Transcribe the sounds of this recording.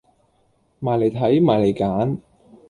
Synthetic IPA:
maː˨˩jle˨˩jt̪ʰɐ˨˥jmaː˨˩jle˨˩jkaː˨˥n

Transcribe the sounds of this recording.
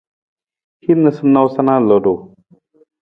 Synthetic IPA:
hi˦nːə˧sɨ˦na˧wsa˦na˦lo˨do˨

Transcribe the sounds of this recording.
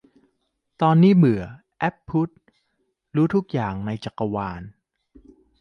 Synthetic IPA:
t̪ɔː˧nːiː˦˥˩mɯ˨˩˦ɐ | ʔɛ˦˥pʰːu˦˥t̪̚ | ɾuː˦˥t̪ʰu˦˥k̚jaː˨˩ŋna˧jt͡ɕa˨˩kːa˧waː˧n

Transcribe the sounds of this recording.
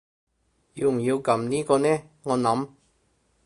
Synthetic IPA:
ji˨˧wm̩˨˩jiː˧wkɐ˨˥mniː˥kɔː˧nɛː˥ | ŋɔː˨˧nɐ˨˥m

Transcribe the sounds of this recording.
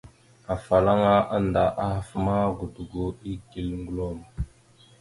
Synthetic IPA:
a˨fa˨la˦ŋa˦ʔa˦nda˨ʔa˦ha˨fma˦ɡu˨du˨ɡo˨i˦ɡi˨lŋɡu˦lo˦˨m˨

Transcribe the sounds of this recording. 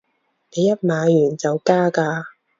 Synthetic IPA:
ne˨˧jɐ˥t̚maː˨˧jyː˨˩nt͡sɐ˨wkaː˥kaː˧

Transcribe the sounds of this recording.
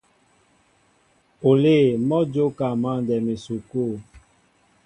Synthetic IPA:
o˨le˦˨mɔ˦d͡ʒo˦ka˨mã˦˨n˨dɛ˨me˨su˨ko˦˨

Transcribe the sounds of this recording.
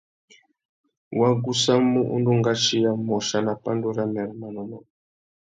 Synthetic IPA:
wa˦ɡu˦sa˦mu˦ʔṵ˦ndu˦ŋɡa˦ʃi˦ja˦mɔ˨ʃa˨na˨pa˦ndu˦ɾa˦mɛ˨ɾma˨nɔ˨mɔ˨

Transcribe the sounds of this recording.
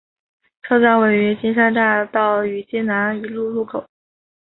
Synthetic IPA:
ʈ͡ʂʰo˥ʊt͡sa˥nwe˨˩ɪy˧˥t͡ɕi˥nʂa˥nt̪a˥˧t̪ɑ˥˩ʊy˨˩t͡ɕɛ˥na˧˥ny˧˨˩lu˥˧lu˥˩kʰo˨˩˦ʊ

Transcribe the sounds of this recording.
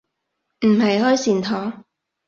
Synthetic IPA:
m̩˨˩ɦɐ˨jhɔː˥jsiː˨˩nt̪ʰɔː˨˥

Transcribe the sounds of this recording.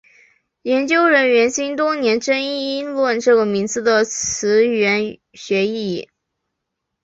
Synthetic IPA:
jɛ˧˥nt͡ɕjo˥ʊɻə˧˥nɥɛ˧˥nɕi˥nt̪wʊ˥njɛ˧˥nʈ͡ʂə˥ni˥i˥lwə˥˧nʈ͡ʂɤ˥˩ɡə˩mi˧˥ŋt͡sɹ̩˥˩d̪ə˨t͡sʰɹ̩˧˥ɥɛ˧˥n | ɕɥɛ˧˥i˥˩

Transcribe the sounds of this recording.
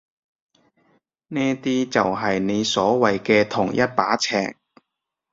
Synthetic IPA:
nɛː˥t̪iː˥t͡sɐ˨wɦɐ˨jne˨˧jsɔː˨˥wɐ˨jkɛː˧t̪ʰʊ˨˩ŋjɐ˥t̚paː˨˥t͡sʰɛ̰ː˨˩ŋ

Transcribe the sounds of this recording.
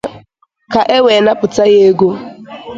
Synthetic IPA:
ka˨ʔe˦we˨na˦pʊ˨ta˦ɣe˦ɡo˦

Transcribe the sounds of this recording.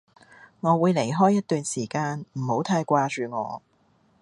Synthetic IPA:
ŋɔː˨˧wuː˨˧jle˨˩jɦɔː˥jːɐ˥t̚t̪yː˨˧nsiː˨˩kaː˧nm̩˨˩ho˨˥wt̪ʰaː˧jkʷaː˧t͡ʃyː˨˧ŋɔ̰ː˨˧

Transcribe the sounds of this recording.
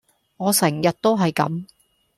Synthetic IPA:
ŋɔː˨˧sɛː˨˩ŋjɐ˨t̚t̪o˥wɦɐ˨jkɐ̰˨˥m

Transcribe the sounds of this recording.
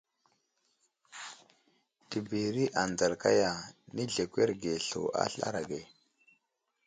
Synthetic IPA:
ti˨bi˨ɾi˦ʔa˨nda˨lka˦ja˨ni˦ɮe˨kʷe˦ɾɡe˨ɬo̰˨a̰˦ɬa̰˦ɾa˨ɡe˨

